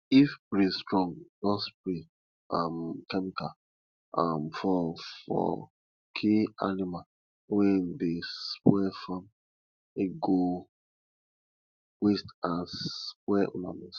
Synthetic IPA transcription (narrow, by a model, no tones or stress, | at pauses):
ifbɾĩstɹɔ̃ŋd͡ʒɔ̃sbɹi | ãmkɛmikal | amfɔfɔ̰ | kʰia̰nimal | wɛ̃ndespwɛfãm | eɡo | westãnspwɛũna̰nɛs